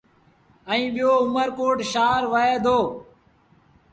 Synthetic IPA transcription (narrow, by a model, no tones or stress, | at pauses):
əĩːɓɪjoːʊməɾkoːʈʃaːɾʋəeːd̪ʱoː